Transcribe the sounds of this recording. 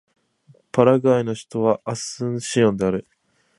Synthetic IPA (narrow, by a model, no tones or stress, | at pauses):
paɾaɡɯ̟aino̞çi̥t̪o̞βaʔasɨ̃ɰ̃ɕijõ̞nd̪e̞aɾɯ̟